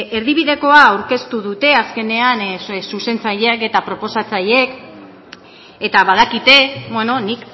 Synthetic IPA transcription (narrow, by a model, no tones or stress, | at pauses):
e̞ɾðiβiðe̞ko̞aːwɾke̞st̪uðut̪e̞aske̞ne̞ansuse̞nt͡saʎeke̞t̪apɾo̞po̞sat͡saje̞k | e̞t̪aβað̞akit̪e̞bweno̞nik